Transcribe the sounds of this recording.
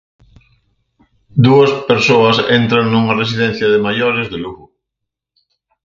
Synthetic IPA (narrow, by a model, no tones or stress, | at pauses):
d̪uɐspeɾsoɐsent̪ɾaŋnuŋɐres̬iðen̟θjɐðemajoɾezðeluɣʊ